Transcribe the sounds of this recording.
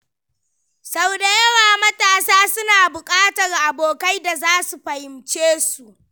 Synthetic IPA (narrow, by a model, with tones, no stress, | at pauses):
sa˨wda˨jɐ˦waː˨mɐ˦taː˦saː˦sʊ˦naː˨bʊ˨kʼaː˦tɐ˨rʔa˨boː˨ka˦jda˨zaː˦su˨ɸɐ˨hɪ˨mt͡ʃeː˦su˨ʔ